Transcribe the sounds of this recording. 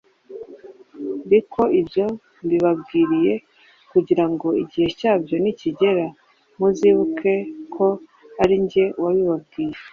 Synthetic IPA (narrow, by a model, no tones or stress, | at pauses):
ndikʰo̞ibjo̞ | mbiβabɡiːɾije̞ | kuɟiɾaŋɡo̞iɟihe̞caːbjo̞niciɟe̞ɾa | muziβukʰe̞kʰo̞ | aɾiɲɟe̞waβiβab̚ɡiːje